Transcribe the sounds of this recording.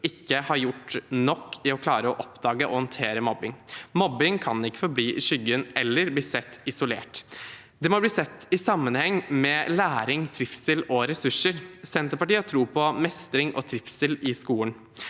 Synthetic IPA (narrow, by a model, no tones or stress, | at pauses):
ɪkːəhɑɾjʊʈːnɔkːɪɔkʰlɑːɾəɔʔɔpd̪ɑːɡəʔɔhɔnt̪ʰeːɾəmɔbːɪŋmɔbːɪŋkʰɑnɪkːə̥fɔɾbliːʃʏɡənɛlːəɾbliːsɛt̪ːɪsʊleːʈ | d̪ɛmɔbliːsɛt̪ːɪsɑmːənhɛŋːmɛlæːɾɪŋt̪ʰɾɪfsəlɔɾɛsʉʂəɾsɛnt̪əɾpɑʈiːhɑʈ̪ʰɾuːpʰɔmɛst̪ɾɪŋʔɔ̰t̪ʰɾɪfsəlɪskuːən